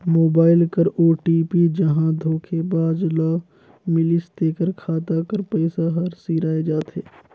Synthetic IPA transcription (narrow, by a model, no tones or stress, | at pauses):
moːbaːɪlkɐɾoːʈiːpid͡ʒɐɦãd̪ʱoːkʰebaːd͡ʒlaː | mɪlɪsd̪eːkəɾkʰaːt̪akəɾpəɪsaɦɐɾsiːɾaːed͡ʒaːt̪eː